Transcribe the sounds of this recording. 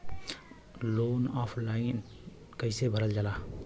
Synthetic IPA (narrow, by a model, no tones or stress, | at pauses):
lonɔpʰlaɪn | kəɪsebʱəɾəld͡ʒala